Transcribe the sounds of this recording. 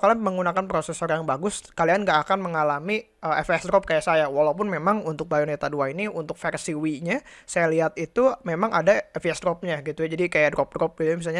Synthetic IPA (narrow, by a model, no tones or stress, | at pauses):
kaliaməŋɡunakanpɾosesɔrjaŋbaɡʊskalianɡaʔːkanməŋalami | əɛfɛsdɾɔp̚kajaʔsajawalaup̬ʊnmemaŋunt̪ʊk̚bajonet̪aduainiunt̪ʊk̚fɛrsiwiɲasajaliɦat̪it̪umemaŋadaɛfiɛsdɾɔp̚ɲaɡit̪ujad͡ʒadikajadɾɔp̚dɾɔp̚ɡit̪ujamis̬alɲa